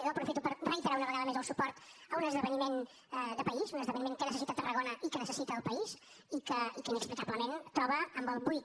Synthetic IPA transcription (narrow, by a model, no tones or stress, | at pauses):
opɾufit̪upəɾrəit̪əɾaunəβəɣaðəmezəlˠsupɔɾt̪əunəzðəβənimen | d̪əpəizunəzðəβənimeŋkənəsəsit̪ət̪ərəɣonəikənəsəsit̪əːlˠpəis | ikəikəinəksplikabləment̪ɾɔβ̞əːmbəlˠβujt̪